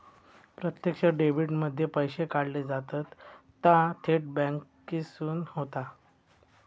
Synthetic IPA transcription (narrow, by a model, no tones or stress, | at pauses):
pɾət̪jəkɕəɖeʋiɽməd̪ʱːjepəjɕekaɽled͡zat̪ət̪ː | ãt̪ʰeʈ̚bɛ̃ŋkː | isuːnhot̪a